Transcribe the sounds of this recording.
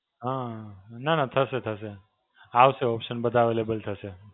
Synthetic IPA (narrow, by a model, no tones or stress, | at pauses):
ɦãnanat̪ʰəset̪ʰəse | awseopsənbəd̪ʱaʋelebəlt̪ʰəse